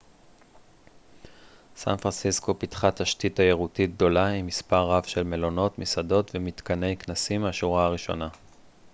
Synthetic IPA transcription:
sa̰nfʁansisko̞pitχathaʃtitajeʁutit̚ɡ̚d̪o̞laimispaʁːavʃe̞lme̞lo̞no̞tmisado̞tvemit̪kane̞jknasimaʃuʁaaʁiʃo̞̰na

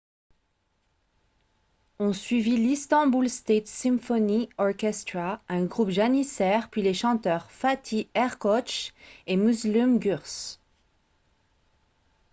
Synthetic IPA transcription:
ɔ̃sɥivilist̪ɑ̃bulst̪et̪sɛ̃mfɔniɔʁkʲɛst̪χaɛ̃ɡʁupʒanisɛʁpɥileʃɑ̃t̪œʁfat̪ʰiɛʁkɔt͡ʃemuzlymɡyʁs

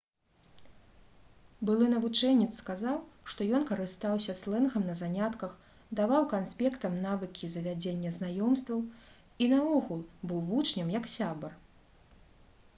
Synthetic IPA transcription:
bɨlˠɨnɐvut͡ʂɛnʲːɛt̪sːkazawʂt̪ɔjɔnkɐɾɨst̪awsʲɐslˠɛnɣɐmnɐzanʲat̪kɐx | d̪avawkansʲpʲɛkt̪ɐmnavɨkʲizɐvʲad͡zʲenʲːɐznajɔmst̪vɐw | inɐɔɣulˠbɨwvut͡ʂnʲɐmjɐksʲabɐr

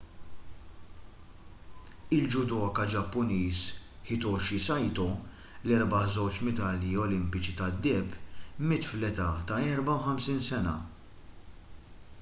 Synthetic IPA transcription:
ɪld͡ʒʊd̪ɔːkɐd͡ʒɐpːʊniːs | ħɪt̪ɔʃisɐjt̪ɔ | lɛɾbɐzɔwt͡ʃmɛt̪ɐːljiɔlɪmpɪt͡ʃit̪ɐd̪ːɛpːmɪt̪flɛt̪ɐt̪ɐɛɾbɐwħɐmsiːnsɛnɐ̰

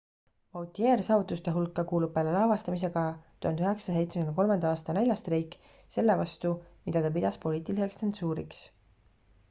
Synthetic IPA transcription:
vɑwt̪ie̞ːɾsɑːvut̪ːˑust̪e̞ɦulkːɑkuːlub̚pːelelɑːvɑst̪ɑmis̬e̞ɡ̥ɑt̪uhɑnd̪̥yɦe̞ksɑ̥s̬e̞jt̪sekyneko̞lmɑnd̪ɑɑːst̪ɑne̞lʲjɑst̪ɾiːkˑː | se̞lːe̞vɑst̪umid̪̥ɑt̪ɑp̬id̪̥ɑspo̞liːt̪ˑilise̞kstensuːɾḭks

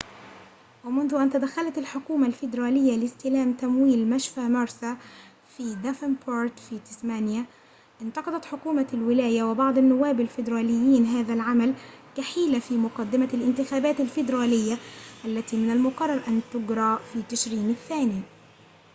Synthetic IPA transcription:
wɪmʊnðʊʔant̪ad̪axːalat̪alħʊkuːmalfɪd̪ɾˤɑːlɪjːalɪst̪ɪlaːmt̪amwiːlmaʃfamɑɾˤsa | fiːd̪afɪnpʰoːɾt̪fit̪ɪsmaːnja | ʔɪnt̪ɑqɑd̪ˤɑt̪ħʊkuːmalwɪlaːjawɪbɑʕd̪ˤanːʊwːaːbalfɪd̪ɾˤɑːlɪjːiːnɦaːðalʕamalkaħiːlafiːmʊqɑd̪ːɪmalʔɪnt̪ɪxaːbaːt̪alfɪd̪ɾˤɑːlɪjːaʔalːat̪iːmɪnalmʊqɑrˤːɑɾˤʔant̪ʊɡɾˤɑːfiːt̪ɪʃɾiːnaθːaːni

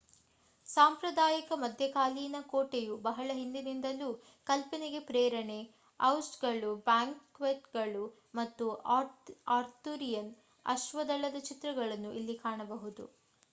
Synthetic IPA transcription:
saːmpɾɐd̪aːjikɐmɐd̪ʱjɐkaːliːnɐkoːʈejubɐɦɐɭɐɦind̪inind̪ɐlːu | kɐlpɐniɡe̞pɾɛːɾɐɳe̞ | ɐwsʈɡɐɭubaːŋkːʋeʈɡɐɭu | mɐt̪ːuaaːɾt̪uɾijɐn | ɐ̰ʃʋɐd̪ɐlːɐd̪ɐt͡ʃit̪ɾɐɡɐɭɐnːuʔilːikaːɳɐbɐɦud̪ṵ

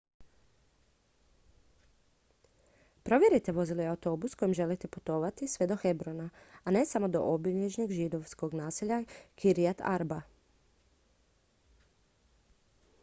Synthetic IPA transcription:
pɾo̞ʋjeɾit̪e̞ʋo̞zilojawut̪o̞busko̞jimʒe̞lit̪e̞pu̥t̪o̞ʋat̪isʋe̞d̪o̞xe̞bɾonaane̞samo̞d̪o̞̰ʔobiʎɲet͡ʃniɡʒid̪o̞ʋsko̞ɡnaːseʎakʰiɾiat̪ʰa̰ɾba

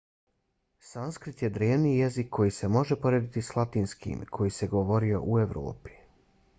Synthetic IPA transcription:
sanskɾit̪je̞d̪ɾeːʋnijezikʰːojiːse̞mo̞ʒepo̞ɾeːd̪it̪islˠat̪iːnskḭmkʰo̞jiseɡoʋo̞ɾio̞̰ʔueʋɾo̰ːpi̥

